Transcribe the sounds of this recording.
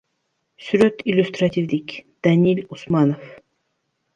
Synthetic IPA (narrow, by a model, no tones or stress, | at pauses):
syɾøt̪ilʲust̪ɾat̪ʲʰivlikʲd̪̥anilusmɑnof